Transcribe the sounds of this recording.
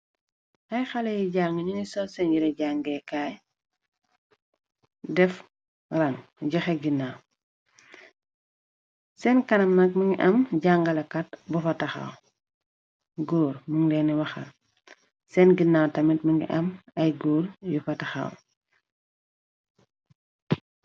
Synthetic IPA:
ʔɐjxɐlejiɟaːŋiɲuŋisɔsɛnjiɾeɟaŋɡɛkaj | dɛf | rɐŋɟɐxeɡinːaːw | sɛnkɐnɐmnɐk̚muŋɡiʔɐmɟaŋɡɐlɐkɐt̚bufɐtɐxa̰w | ɡuːɾmuŋlɛnɛwɐxɐ | sɛnɡinːaːwtɐmit̚muŋɡḭʔɐmɐjɡuːɾjufɐtɐxa̰ːw

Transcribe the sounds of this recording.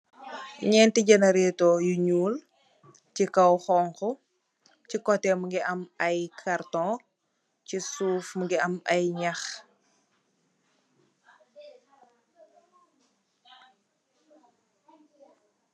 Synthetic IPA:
ɲɛːntiɟɐnɐɾɛtɔjuɲuːl | cikɐwxɔːŋkɔ | cikɔtɛmuŋɡiʔɐmɐjkʰartɔ̃ | cisuːfmuŋɡiɐmɐjɲɐx

